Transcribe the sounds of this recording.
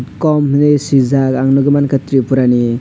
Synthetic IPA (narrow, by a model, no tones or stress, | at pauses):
kɔmɦnesizakaŋnuɡɯmankʰat̪ɾipuɾani